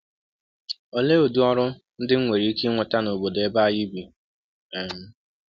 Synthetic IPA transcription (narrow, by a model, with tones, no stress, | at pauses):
o˨le˦o˨du˦ɔ˦ɾʊ˦ | n̩˦dɪ˦ŋ̩˦ŋʷe˨ɾi˦i˦ke˦ŋʷʊ˨ta˦no˨bo˨de˦ba˦ji˦bi˨ | e˨m̩˦